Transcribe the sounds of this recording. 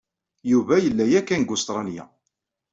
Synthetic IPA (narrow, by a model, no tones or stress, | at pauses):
juvæjəlːæjækːænɡʊst̪ɾˤɑlja̰